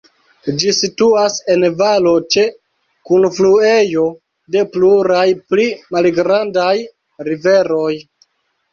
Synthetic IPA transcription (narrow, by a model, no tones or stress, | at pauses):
d͡ʒisituase̞nvalo̞t͡ʃe̞ | kunflue̞jo̞ | de̞pluɾajplimalɡɾandaj | ɾive̞ɾo̞j